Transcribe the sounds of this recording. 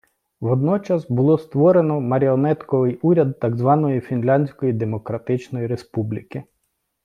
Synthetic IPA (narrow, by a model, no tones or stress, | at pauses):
ʋɔd̪nɔt͡ʃɐsbʊlˠɔst̪ʋɔɾenɔmɐɾʲiɔnɛt̪kɔʋɪjuɾʲɐd̪ːɑɡzʋɑnɔjifʲinlʲɑnʲsʲkɔjid̪e̞mɔkɾɐt̪ɪt͡ʃnɔjiɾe̞spublʲikɪ